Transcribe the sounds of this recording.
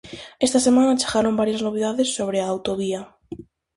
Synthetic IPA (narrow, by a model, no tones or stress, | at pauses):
est̪asemãnat͡ʃḁɣaɾombaɾjaznoβ̞eðaðesːoβ̞ɾeaːwt̪oβ̞ia